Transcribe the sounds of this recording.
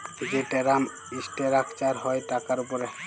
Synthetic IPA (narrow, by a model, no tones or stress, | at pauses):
bʱid͡ʒeʈeɾam | isʈeɾakʰt͡ʃaɾɦɔjʈakaɾupɔɾɛ